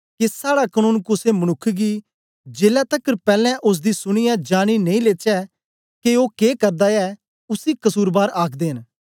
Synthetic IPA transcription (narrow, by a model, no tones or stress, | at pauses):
kesaːɽakənũːnkʊsemɐnʊkʰːɡiː | d͡ʒeːlɛt̪əkːəɾpɛːlɛ̃ʔʊs̬d̪isʊɽ̃ɪjad͡ʒaːɽ̃inɐ̃ĩleːt͡ʃɛ | keoːkeːkɐɾd̪aɛ | ʊsikɐsuːɾbaːɾaːkʰd̪eːɦən